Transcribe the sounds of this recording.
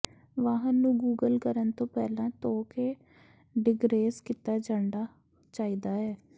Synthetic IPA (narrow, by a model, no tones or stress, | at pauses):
ʋaːɦənːũːɡuːɡəlkəɾənt̪õːpɛːlãːt̪oːkeː | ɖɪɡɾeːskɪt̪aːd͡ʒãːɳɖaː | t͡ʃaːiːd̪aːɛː